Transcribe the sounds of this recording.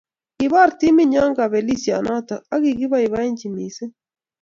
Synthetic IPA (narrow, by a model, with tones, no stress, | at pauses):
i˨βa˦˨ɾti˦mi˦ɲa˦ŋɡa˨βɛ˨li˦sja̰˨na˦ta˨a˦ɣi˨ɣi˦βa˦i˨βa˦ɛ˦ɲt͡ʃi˨mi˨sɛ˦